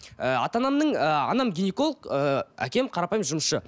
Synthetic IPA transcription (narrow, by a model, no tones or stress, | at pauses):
əɑ̰t̪ɑnɑmnəɴəɑ̰nɑmɡʲijneko̞lˠəqəæ̰kʲe̞mqʰɑɾɑpɑjmʒʊməsʃə